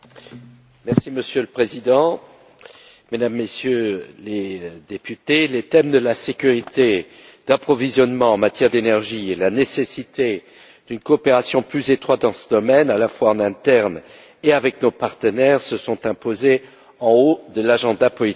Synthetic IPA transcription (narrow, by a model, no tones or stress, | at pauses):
mɛʁsiməsjøləpχezid̪ɑ̃ | med̪amːesjøled̪epyt̪elet̪ɛmd̪əlasekʲyʁit̪e | d̪̥apχɔvizjɔnmɑ̃ɑ̃mat̪jɛʁd̪enɛʁʒielanesesit̪e | d̪̥ynkoːpeʁasjɔ̃plyzet̪χwat̪̚d̪ɑ̃sə̥d̪ɔmɛnalafwaɑ̃nɛ̃t̪ɛʁn | eavɛknopaʁt̪ənɛʁsəsɔ̃t̪ɛ̃poze | ɑ̃od̪əlaʒɑ̃d̪apɔlit̪ik